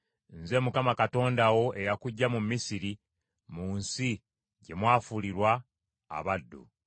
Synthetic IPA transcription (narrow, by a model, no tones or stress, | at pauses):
nze̞mukamakato̞ːndawo̞ʔe̞jakuɟːamumːisiɾi | muːnsi | ɟe̞mwaːfuliɾwa̰ː | βadːṵ